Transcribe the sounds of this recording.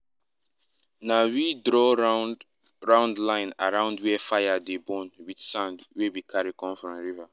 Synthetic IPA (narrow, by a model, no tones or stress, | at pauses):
nawidɾɔ | ɹãʊ̃ndlãɪ̃na̰ɹãʊ̃ndwɛfajadebɔ̃nwidsãndwewikʰaɹikɔ̃mfɹɔ̃mɹiva